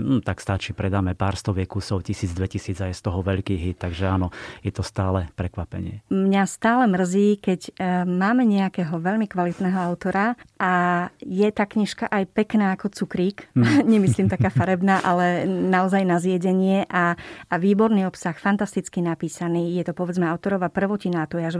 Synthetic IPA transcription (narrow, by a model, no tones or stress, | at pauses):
m̩t̪akst̪at͡ʃipɾɛd̪aːmɛpaːɾst̪ɔʋɪɛkusɔʊcisiːd͡zd̪ʋɛcisiːd͡zajst̪ɔɦɔʋɛʎkiːɦit̪̚ːaɡʒɛaːnɔjɛt̪ɔst̪aːlɛpɾɛkʋapɛ̰ɲɪɛmɲast̪aːlɛmr̩ziːkɛɟmaːmɛɲɛakɛːɦɔʋɛʎmikʋalit̪nɛːɦɔaʊt̪ɔɾaʔajɛt̪aːkɲiʃkaʔajpɛknaːkɔt͡sukɾiːkɲɛmisliːmt̪akaːfaɾɛbnaːʔalɛnaɔzajnazɪjɛɟɛɲɪɛʔaʋiːbɔɾniːɔpsaxfant̪ast̪it͡skinapiːsaniːjɛt̪ɔpɔʋɛd͡zmɛaʊt̪ɔɾɔʋaːpr̩ʋɔcinat̪ujaʒ